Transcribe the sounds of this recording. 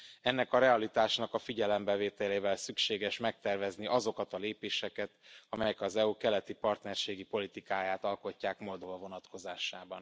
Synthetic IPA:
ɛnːɛkɒɾɛɒlit̪aːʃnɒkɒfiɟɛlɛmbɛveːt̪ɛleːvɛlsykʃeːɡɛʃmɛk̚t̪ɛrvɛzniʔɒzo̞kɒt̪ɒleːpeːʃɛkɛt̪ɒmɛjɛkɒzɛukɛlɛt̪ipɒrt̪nɛrʃeːɡipo̞lit̪ikaːjaːt̪ɒlko̞cːaːkmo̞ld̪ovɒvo̞nɒt̪ko̞zaːʃaːbɒn

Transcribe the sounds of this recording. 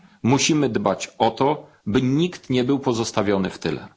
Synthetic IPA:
muɕimɘd̪bat͡ɕɔt̪ɔ | bɘɲikt̪ɲɛbɘwpɔzɔst̪avʲjɔnɘft̪ɘ̰lɛ̰

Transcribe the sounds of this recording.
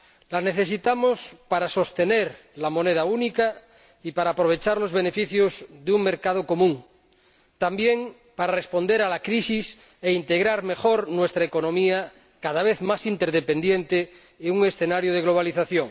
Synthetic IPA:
lane̞θe̞s̬it̪amospaɾaso̞st̪eneɾ | lamo̞neð̞aunika | ipaɾaːpɾo̞β̞e̞t͡ʃaɾlo̞zβe̞ne̞fiθjozðeuŋme̞ɾkað̞oko̞mũŋ | t̪ambjeŋ | paɾarespo̞nd̪eɾalakɾisis | eint̪e̞ɣɾaɾme̞xoɾnwe̞st̪ɾaeko̞nõmia | kaðaβ̞eθmasint̪eɾðepe̞nd̪jent̪eː | uŋe̞sθe̞naɾjoð̞eɣlo̞β̞aliθaθjoŋ

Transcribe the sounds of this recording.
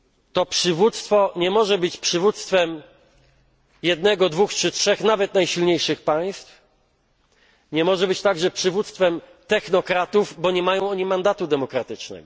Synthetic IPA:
t̪ɔpʂɘvut̪st̪fɔɲɛmɔʐɛbɘt͡ɕpʂɘvut̪st̪fɛm | jɛd̪nɛɡɔd̪vuxtt͡ʂɘtʂɛxnavɛt̪najɕilɲejʂɘxpaj̃st̪f | ɲɛmɔʐɛbɘt͡ɕt̪aɡʐɛpʂɘvut̪st̪fɛm | t̪ɛxnɔkɾat̪uvbɔɲɛmajɔ̃w̃ɔɲimand̪at̪ud̪ɛmɔkɾat̪ɘt͡ʂnɛ̰ɡɔ

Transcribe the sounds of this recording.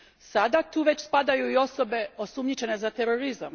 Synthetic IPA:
sad̪at̪uːʋe̞t͡ɕspad̪ajuio̞so̞be̞o̞sumɲit͡ʃe̞ne̞zat̪e̞ɾo̞ɾiza̰m

